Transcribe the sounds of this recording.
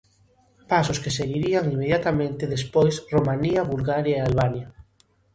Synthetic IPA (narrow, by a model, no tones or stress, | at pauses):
pasʊskeseɣiɾiaŋimːeðjat̪amẽnt̪eðespojsromaniɐβulɣaɾjaealβaɲa